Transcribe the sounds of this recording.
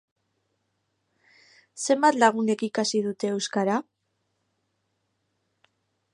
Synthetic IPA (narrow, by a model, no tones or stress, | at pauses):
se̞mbat̪laɣ̞une̞kikasið̞ut̪e̞ːwskaɾa